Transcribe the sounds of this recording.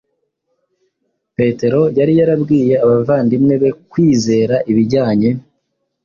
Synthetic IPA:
pe̞te̞ɾo̞jaɾijaɾabɡiːje̞aβavaːndimŋe̞βe̞kwiːze̞ːɾaʔiβiɾɟaːɲe̞

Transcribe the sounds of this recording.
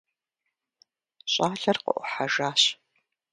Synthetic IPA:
ɕʼaːɮɐrqə̰ʔʷʊħaʒaːɕ

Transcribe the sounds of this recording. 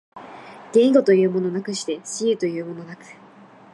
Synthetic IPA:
ɡ̥ẽ̞iɡo̞t̪o̞jɯ̟ːmo̞no̞nakɯ̟ɕi̥t̪e̞ɕiɯ̟t̪o̞jɯ̟ːmo̞no̞nakɯ̟̥

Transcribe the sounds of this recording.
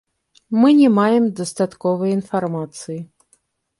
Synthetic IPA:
mɨnʲɛmajɛmd̪ɐst̪at̪kɔvɨjinfarmat̪sɨji

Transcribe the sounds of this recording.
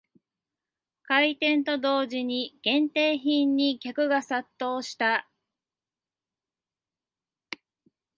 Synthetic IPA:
kait̪ẽ̞nt̪o̞d̪o̞ːʑiɲ̟iɡ̥ẽ̞nt̪e̞ːçĩɲːikʲakɯ̟ɡasat̪ːo̞ːɕi̥t̪a

